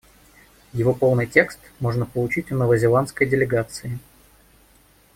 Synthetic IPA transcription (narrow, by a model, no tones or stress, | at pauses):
jɪvo̞po̞lˠnɨjtʲe̞kst̪mo̞ʐnəpəlˠʊt͡ɕitʲnəvəzʲɪlˠant̪skəjdʲɪlʲɪɡat̪sɨɪ